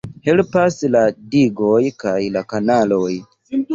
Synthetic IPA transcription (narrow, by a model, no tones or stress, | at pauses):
helpasladiɡojkajlakanalo̞j